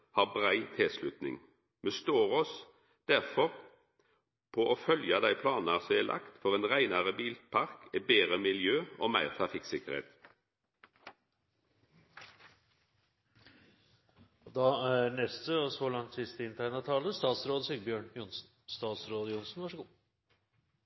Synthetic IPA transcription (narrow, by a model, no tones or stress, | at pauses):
hɑːʁbʁæɪt̪ʰɪːslʉt̪nɪ̰ŋ | mɛst̪oːʁɔs | d̪̥æʁfɔʁ | pʰɔʔoːfœljɑd̪æɪpʰlɑːnəʁsɔɛlʔɑ̰kt̪fɔʁeːnʁæɪnɑʁəbiːlpʰɑʁkʰɛbeːʁəmɪljøːoːmæɪʁt̪ʰʁɑfɪksɪkəʁhḛːt̪ | ɔd̪ɑæɾnɛst̪əɔsɔlɑŋt̪sɪst̪əɪnt̪ʰæɪnɑt̪ʰɑːləst̪ɑːt̪sɾoːd̪əsɪɡbjøːɳjʊnsn̩st̪ɑːt̪sɾoːd̪əjʊnsn̩ʋɑʂəɡuː